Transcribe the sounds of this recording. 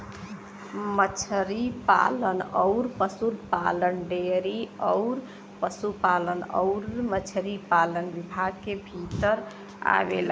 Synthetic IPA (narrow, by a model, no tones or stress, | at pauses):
mət͡ʃʰəɾipa̰lənɔʊɾpəsuɾpa̰lənɖeɾiəɔʊɾ | pəsupalənə̰ʊɾmət͡ʃʰəɾipalənbibʱaɡkebʱit̪əɾ | a̰bḛl